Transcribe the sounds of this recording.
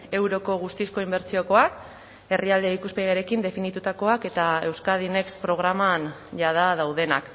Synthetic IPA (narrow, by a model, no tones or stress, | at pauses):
e̞wɾo̞ko̞ɣ̞ust̪isko̞imbe̞ɾt͡sio̞ko̞ak | e̞riald̪e̞ikuspeɣjaɾe̞kind̪e̞finit̪ut̪ako̞ake̞t̪ae̞wskað̞ine̞kspɾo̞ɣ̞ɾamanʝaðað̞awð̞e̞na̰k